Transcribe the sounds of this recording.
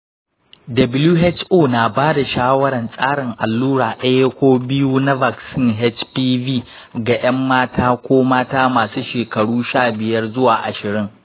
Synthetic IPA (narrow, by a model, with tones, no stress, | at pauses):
dɐ˨bɪ˦lu˦ɦɛ˦t͡ʃʔoː˦˨naː˨baː˦da˨ʃaː˦wɐ˦ɽɐ˨nsʼaː˦ɽɪ˨ŋʔa˨lːuː˦ɽaː˨ɗɐ˦je˦kʷoː˦bɪ˦ju˦na˦ba˨ksɪ˦˨ŋɦɛ˦t͡ʃpiː˦viː˦˨ | ɡa˨j̰ɐ˦mːaː˦taː˦kʷoː˦maː˦taː˦maː˨su˦ʃeː˨kɐ˨ɽuː˦ʃaː˦˨bɪ˨jɐ˦rzʊ˦waː˨ʔa̰˨ʃɪ˨ɽɪ˦ŋ